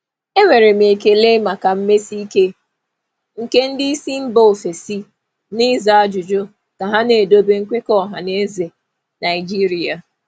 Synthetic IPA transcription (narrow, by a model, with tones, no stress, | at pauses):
e˦ŋʷe˨ɾe˨m̩e˨ke˦le˦ma˨ka˨m̩˦me˦si˦i˦ke˦ | ŋ̩˨ke˦n̩˦dɪ˦i˦si˦m̩˦bo˦˨fe˨si˦ | nɪ˦za˨a˦d͡ʒʊ˨d͡ʒo˦ | ka˨ɦa˦ne˨do˦be˦ŋ̩˦kʷe˦kɔ˦˨ɦa˨ne˦ze˨ | na˨ɪ˨d͡ʒi˦ɾi˨a˨